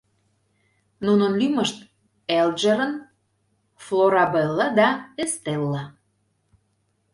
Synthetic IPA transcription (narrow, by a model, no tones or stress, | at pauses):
nunənlyməʃt̪̚ | elʒə̆ɾən | floɾɑbelːɑd̪ɑest̪elːɑ